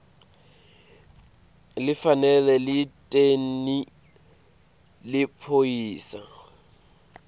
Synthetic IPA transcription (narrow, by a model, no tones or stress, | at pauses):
lɪfanɛlɛlɪtʼen̩ni | lɪpʰoiːsa